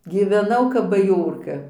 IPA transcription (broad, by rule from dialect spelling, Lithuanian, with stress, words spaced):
ɡʲiːʋʲɛˈnɐʊ kɐp bɐˈjoːrkɐ